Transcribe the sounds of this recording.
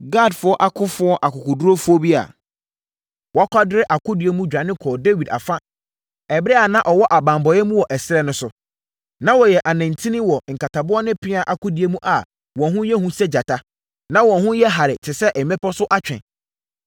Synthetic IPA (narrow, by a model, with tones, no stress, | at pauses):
ɡa˦˨dfʊ˦ɔ˦ʔa˨kʰʊ˦fʊ˦ɔ˦ʔa˨kʊ˨kʊ˨du˦ɾo˦fʊ˦ɔ˦bi˦a̰˨ | wɔ˨a˦kʰʷa˦dɪ˦ɾɪ˦ʔa˨kʰʊ˦dɪ˨e˦mũ˦d͡ʑᶣɾa˨nɪ̃˦kʰɔː˨de˦wi˨da̰˨fa˦ | ɛ˨bɾɛ˦a˨nã˦ʔɔ˨wɔ˦ʔa˨bã˨mbɔ˨jɛ˦mũ˦wɔ˨ʔɛ˨sɪ˦ɾɛ˦nʊ̃˦sʊ˦ | nã˦wɔ˨jɛ˨ʔa˨nã˨n˨tʰĩ˦nĩ˦wɔ˨ŋ̩˨ka˨tʰa˨bʊ˦ɔ˦nɪ̃˦pʰɪ˦a˨ʔa˨kʊ˦dɪ˨˦e˦mũ˦ʔa˨ | wɔ̃˨nɦʊ̃˦jɛ˦hũ˦sɛ˦d͡ʑa˨tʰa˦ | nã˦wɔ̃˨nɦʊ̃˦jɛ˦ɦa˨ɾɪ˨tʰɪ˨sɛ˦ʔɛ˨mɛ̃˦pʰɔ˦sʊ˦ʔa˦t͡ɕᶣɛ̰̃˨n